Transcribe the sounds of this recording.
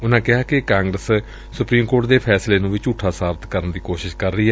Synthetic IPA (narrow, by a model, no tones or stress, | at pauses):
ʊnãːkɪɦaːkɪkaːŋɡɾəs | sʊpɾiːmkoːʈ̚d̪eːpʰɛːsleːnũːʋɪt͡ʃuːʈʰaːsaːbət̪kəɾənd̪iːkoːʃɪʃkəɾːəiːɛ